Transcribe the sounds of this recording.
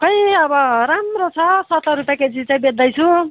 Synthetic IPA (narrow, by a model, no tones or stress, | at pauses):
kʌj̃ʌbʌɾamrot͡sʰʌsʌt̪ʰʌɾupjaked͡zit͡saj̃bed̪ʌjt͡sʰu